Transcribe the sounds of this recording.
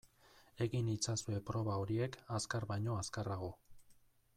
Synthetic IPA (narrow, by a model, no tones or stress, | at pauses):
e̞ɣinit͡sasue̞pɾo̞βaoɾie̞kaskarbajɲo̞askaraɣo̞